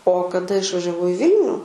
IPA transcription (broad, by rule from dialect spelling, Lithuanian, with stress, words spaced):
oː kɐˈdɐ ɪʃʋɐʒʲɛˈʋɐʊ ɪ ˈʋʲɪlʲnʲʊ